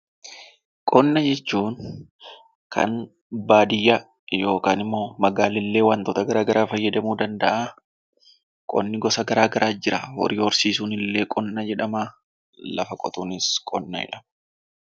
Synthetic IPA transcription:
kʼɔnːɐd͡ʒɛt͡ʃːuːn | kʰɐ̰n | baːd̪ɪjːɐ | jo̞ːkaːnɪmːo̞ːmɐɡaːlɪlːe̞ːwaːnt̪ɔːt̪ɐɡɐɾaːɡɐɾaːfɐjːɐd̪ɐmuːd̪ɐnd̪ɐʔaː | kʼɔ̰nːɪɡɔsɐɡɐɾaːɡɐɾʔaːd͡ʒɪɾɐwɔ̰ɾiːɔɾsiːsuːnɪlːe̞ːkʼɔnːɐd͡ʒɛᶑɐma | lɐ̰fɐkʼɔ̰t̪uːnɪskʼɔ̰nːɐd͡ʒɛ̰ᶑɐ̥mɐ

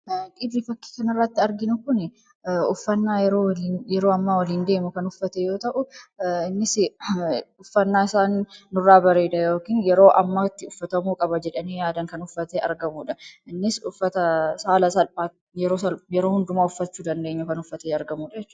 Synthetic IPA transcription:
kʼɪd̪ɾɪfɐkːi̥ːkɐnɐrːɐt̪ːɪɐɾɡɪnʊkʊnɪ | ʊfːɐnːaːjɛɾoːinjɛɾo̞ːɐmːaːwɐliːnd̪e̞ːmʊkɐnʊfːɐt̪ɛjo̞ːt̪ɐʔʊɪnːɪsɪ | ʊfːɐnːaːɪsaːnːʊrːaːbɐɾe̞ːd̪ɐjoːkiːnjɛɾo̞ːʔɐmːɐt̪ːɪʊfːɐt̪ɐmuːkʼɐbɐd͡ʒɛᶑɐniːjaːd̪ɐŋkɐnʊfːɐt̪eːɐ̰ɾɡɐmuːᶑɐɪnːɪsʊfːɐt̪ɐsaːlɐsɐlpaː | jɛɾo̞ːsɐljɛɾoːhʊnd̪ʊmaːʊfːɐt͡ʃːuːd̪ɐnd̪eːɲːʊkɐnʊfːɐt̪eːɐɾɡɐmuːᶑɐd͡ʒɛt͡ʃː

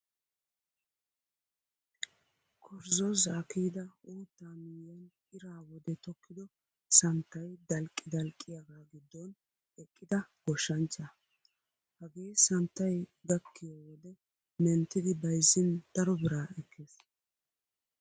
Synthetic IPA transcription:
kʰɔɾzɔzaːkiːd̪ɐoːt̪ːaːmɪjɐn | ɪɾaːwɔd̪ɛt̪ɔkːɪd̪ɔ | sɐnt̪ːɐjd̪ɐlkʼːɪd̪ɐlkʼːɪjɐɡaːɡɪd̪ːɔn | ɛkʼːɪd̪ɐɡ̥ɔʃːɐnt͡ʃːɐ | hɐɡiːsɐnt̪ːɐjɡɐkːɪjawɔd̪ɛ | mɛnt̪ːɪd̪ɪbɐjzɪnd̪̥ɐɾɔbɪɾaːɛkʰːeːs

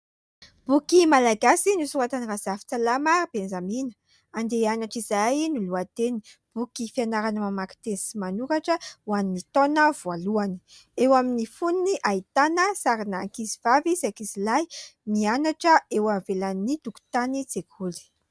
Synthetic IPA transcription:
b̥ukimalaɡasinusuɾat̪anirazafi̥t͡salaməb̥enzaminə̥ | and̪eanaʈ͡ʂizajnuluat̪eni̥ | b̥ukifianaɾanəmamaki̥t̪ensimanuɾaʈ͡ʂəwaninit̪onəvualuanə̥ewaminifuniniʔait̪anəsaɾinakizivavizakizilajnianaʈ͡ʂəewamvelanit̪uku̥t̪anid͡zekʰuli̥

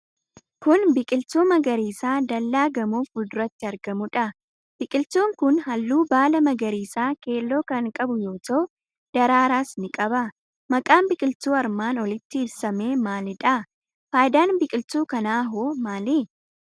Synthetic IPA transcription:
kʊnbɪkʼɪlt̪uːmɐɡɐɾiːsaːd̪ɐlːaːɡɐmuːfʊd̪ʊɾɐt̪ːɪɐɾɡɐmʊᶑɐ | b̥ɪkʼɪlt̪uːŋkʊnhɐlːuːbaːlɐmɐɡɐɾiːsaːke̞ːlːo̞ːkɐŋkʼɐbʊjo̞ːt̪ɐʔʊ | d̪̥ɐɾaːɾaːsnɪkʼɐbɐ | mɐkʼaːmbɪkʼɪlt̪uːɐɾmaːnɔlɪt̪ːɪːbsɐmeːmaːlɪᶑɐ | faːjɪd̪aːnbɪkʼɪlt̪uːkɐnaːɦoːmaːlɪ

